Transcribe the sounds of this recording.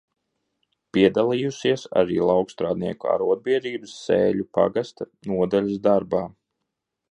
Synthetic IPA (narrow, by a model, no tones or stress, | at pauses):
piɛd̪alˠijusiɛsa̰ɾiːlˠawkst̪ɾaːd̪niɛkua̰ɾuɔd̪̚biɛd̪iːbɨsːḛːʎʲupa̰ɡast̪anuɔd̪alʲasd̪aɾbaː